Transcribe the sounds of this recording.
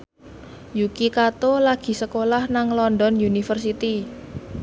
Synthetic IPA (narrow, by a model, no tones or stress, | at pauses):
jukikat̪olaɡ̥i̤səkolahnaŋlɔndɔnjunifərsit̪i